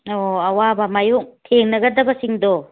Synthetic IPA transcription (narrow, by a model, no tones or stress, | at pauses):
oɐwabamajuk̚tʰeŋnɐɡɐɾd̪ɐbɐsiŋd̪ɔ